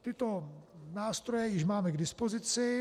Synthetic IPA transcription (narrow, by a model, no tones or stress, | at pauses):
t̪ɪt̪onaːst̪ɾojɛjɪʒmaːmɛɡdɪspozɪt͡sɪ